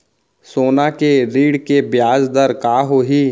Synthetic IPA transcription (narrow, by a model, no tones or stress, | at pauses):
soːnakeɾiːɽkebjaːzd̪əɾkaːɦoɦiː